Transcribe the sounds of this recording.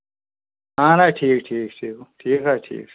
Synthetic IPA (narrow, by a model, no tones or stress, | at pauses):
ɦãːɾaːʈʰiːk̚ʈʰiːk̚ʈʰiːkʈʰiːkaːʈʰḭːk